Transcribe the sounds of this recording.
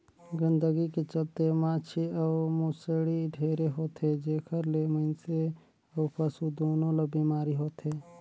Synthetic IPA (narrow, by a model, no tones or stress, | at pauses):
ɡənd̪əɡiket͡ʃəlt̪emãːt͡ʃʰiəwmuseɽiɖʱeːɾeɦoːt̪ʰɦed͡ʒeːkʰəɾleməɪnse | əwpəsud̪oːnõlɐbiːmaːɾiɦoːt̪ʰɦeː